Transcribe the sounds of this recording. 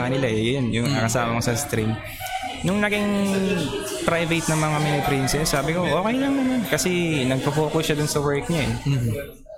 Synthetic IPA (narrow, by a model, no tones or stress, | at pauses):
ŋɐnɪlaɛjonjʊŋɐŋɐkɐsaːmɐkosɐst̪ɾim | nʊŋnɐɡɪŋ | pɾajvɛt̪̚nɐŋmɐŋamɛnɪpɾinsɛsːaːbɪko̞ʔo̞ːkɛjlɐŋnɐmankɐsɛnɐɡ̚pɐfo̞ːkʊsʃɐd̪ʊnsɐwɛɹk̚ɲaʔɛ̰